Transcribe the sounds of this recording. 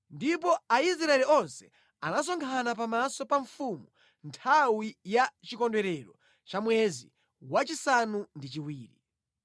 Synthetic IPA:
ndip̬ɔais̬ɾaɛɾiɔnsɛ | anas̬ɔŋkʰanap̬amasɔpaɱfumu | ntʰawijat͡ʃikɔndwɛɾɛɾɔ | t͡ʃamwɛzḭ | wat͡ʃisanundit͡ʃiwiːɾḭ

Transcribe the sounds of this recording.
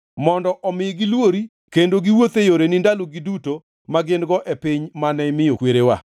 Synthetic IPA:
mɔndɔʔɔmɪɡilwoɾi | kendoɡiwot̪ejoɾenɪndaloɡiduto | maɡɪndɡɔʔɛpɪɲmanɛmɪjokweɾewa̰

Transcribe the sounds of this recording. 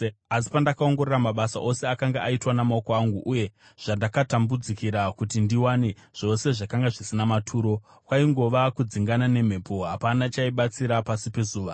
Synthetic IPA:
asi̥pandakaoŋɡo̞ɾeɾamaɓasa̰ʔo̞se̞akaŋɡaʔaitwanamao̞ko̞aŋɡuʔuje̞ | ʐ̥andakatambud͡zikiɾakutindiwaneʐ̥o̞se̞ʐakaŋɡaʐisinamatʰuːɾo̞ | kwaiŋɡo̞ʋakud͡ziŋɡanane̞m̤e̞po̞ɦapanat͡ʃaiɓat͡siɾapasipe̞zuːʋa

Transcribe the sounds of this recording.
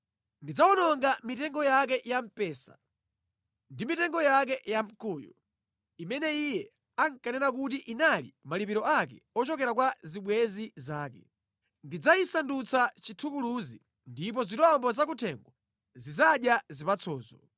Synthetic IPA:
ndid͡zaɔnɔŋɡamitɛŋɡɔjak̬ɛjam̩pɛːsa̰ | ndimitɛŋɡɔjak̬ɛjam̩kuːjṵ | imɛnɛijɛ | aŋkanɛnak̬utiʔinalḭmalipiɾɔakɛ̰ɔt͡ʃɔkɛɾak̬waziɓwɛzizaːkɛ̰ | ndid͡zaisandut͡sat͡ʃitʰukuluzḭ | ndip̬ɔzitɔmbɔzak̬utʰɛŋɡwa | zizaɗjazipat͡sʰɔːzɔ

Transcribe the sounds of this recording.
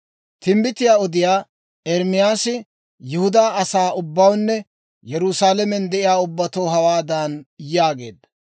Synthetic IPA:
t̪ɪmbɪt̪ɪjaːɔd̪ɪjaː | ɛɾmɪjaːsɪ | jʊhʊd̪aːɐsaːʔʊbːɐwnːɛ | jɛɾʊsaːlɛmɛnd̪ɛʔɪjaːʊbːɐt̪oːɦɐwaːd̪anjaːɡe̞̰ːd̪ːɐ̥

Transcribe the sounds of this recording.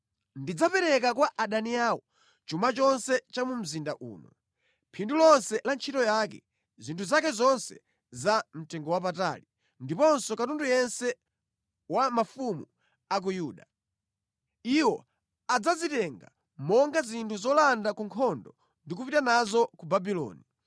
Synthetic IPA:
ndid͡zapɛɾɛk̬akwaʔaɗaniawɔ | t͡ʃumat͡ʃɔnsɛt͡ʃamum̩zindaʔṵːnɔ̰ | pʰindulɔnsɛlant͡ʃʰitɔjakɛ̰ | zintʰuzakɛzɔnsɛ̰ | zam̩tɛŋɡɔwap̬ata̰ːli | ndipɔnsɔkatundujɛnsɛ | wamafumu | ak̬ujuːɗa | iwɔ | ad͡zazitɛŋɡa̰ | mɔŋɡazintʰuzɔlandakuŋkʰɔndɔ | ndikupitanazɔkubabilɔ̰ːni

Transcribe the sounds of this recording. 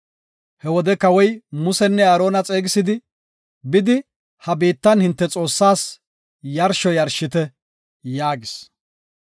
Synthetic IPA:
hɛwɔd̪ɛkɐwɔjmʊsɛnːɛaːɾo̞ːnɐt͡sʼe̞ːɡɪsɪd̪ɪ | bɪd̪ɪ | hɐbiːt̪ːɐnhɪnt̪ːɛt͡sʼo̞ːsːaːs | jɐɾʃɔjɐɾʃːɪt̪ɛ | jaːɡɪs

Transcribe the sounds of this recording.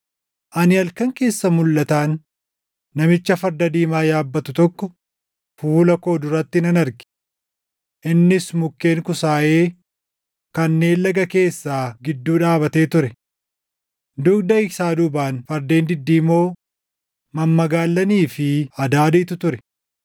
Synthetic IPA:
ʔɐnɪɐlkɐŋke̞ːsːɐmʊlːɐt̪aːŋ | nɐmɪt͡ʃːɐfɐɾd̪ɐd̪iːmaːjaːbːɐt̪ʊt̪ɔkːɔ | fuːlɐko̞ːd̪ʊɾɐt̪ːɪnɐnɐɾɡɪ̥ | ʔɪnːɪsmʊkːe̞ːŋkʊsaːʔe̞ː | kɐnːe̞ːnlɐɡɐke̞ːsːaːɡɪd̪ːuːᶑaːbɐt̪e̞ːt̪ʊɾɛ | d̪ʊkd̪ɐɪsaːd̪ʊbaːnfɐɾd̪e̞ːnd̪ɪd̪ːiːmo̞ː | mɐmːɐɡaːlːɐniːfɪɐd̪aːd̪iːt̪ʊt̪ʊɾɛ̥

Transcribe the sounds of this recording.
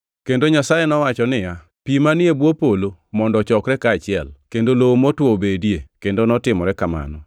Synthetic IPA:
kendoɲasajenɔwat͡ʃɔnɪja | pimanɪebwopolomɔndɔt͡ʃɔkɾɛkaːt͡ʃɪɛlkendoloomotwobedjekendonɔtɪmɔɾɛkama̰nɔ

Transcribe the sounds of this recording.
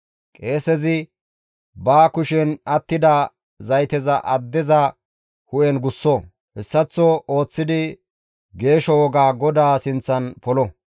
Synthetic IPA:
kʼe̞ːsɛzɪ | baːkʊʃɛnɐt̪ːɪd̪ɐ | zɐjt̪ɛzɐʔɐd̪ːɛzɐ | hʊʔɛnɡʊsːɔ | hɛsːɐt͡sːɔo̞ːt͡sːɪd̪ɪ | ɡe̞ːʃɔwɔɡaːɡɔd̪aːsɪnt͡sːɐnpɔlɔ

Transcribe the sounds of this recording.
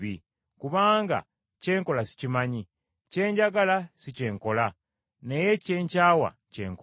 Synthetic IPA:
i | kuβaːŋɡa̰ | ce̞ːŋko̞lasi̥cimaɲi | ce̞ːɲɟaɡalasice̞ːŋko̞la | ne̞je̞ce̞ːɲcaːwa̰ | ce̞̰ːŋk

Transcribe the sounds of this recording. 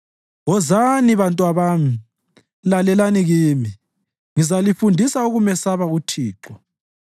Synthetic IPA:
ɣɔzaniβantʼwaβaːmi | lalɛlaniɣiːmi | ŋizalifundʱisauɣumɛsaβautʰiːǁɔ

